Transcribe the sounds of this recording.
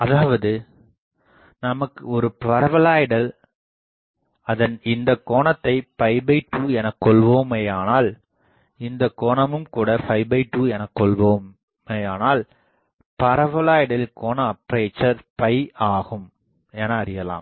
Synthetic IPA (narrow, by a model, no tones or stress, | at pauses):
ɐðaːʋɐðɯ | nɐmɐkːɯɔɾɯpɐɾɐʋɐlaːjɪɽɐl | ɐðɐnɪnd̪ɐkːoːɳɐt̪ːɐɪpɐɪbɐɪʈːuːɛnɐkːɔɭʋoːmejaːnaːl | ɪnd̪ɐkːoːɳɐmɯmkuːɽɐfɐɪbɐɪʈːuːɛnɐkːɔɭʋoːm | ejaːnaːl | pɐɾɐʋɐlaːjɪɽɐlɪkoːnɐːpːɾeːt͡ʃːɐɾpɐɪaːɣɯm | ɛnɐːɾɪjɐla̰ːm